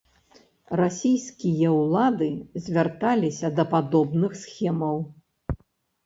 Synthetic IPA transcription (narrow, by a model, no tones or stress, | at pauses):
rasʲijskʲijɐwlˠad̪ɨzʲvʲart̪alʲisʲɐd̪ɐpad̪ɔbnɨxsxʲɛmɐw